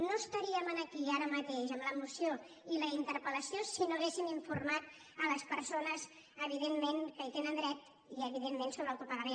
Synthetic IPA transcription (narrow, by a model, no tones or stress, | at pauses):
noəst̪əɾiəmənəkiaɾəmət̪eʃəmləmusio | iləint̪əɾpələsiosinuɣesimiɱfurmat̪̚ | ələspəɾsonəz | əβ̞iðemːenkəit̪enənd̪ɾɛt̪ | iəβiðemːensoβɾawt̪upəɣəme